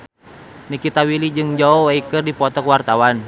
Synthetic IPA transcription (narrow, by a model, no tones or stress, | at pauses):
nikit̪awilid͡ʒɨŋd͡ʒaɔwaikɨrdipɔt̪ɔkwart̪awan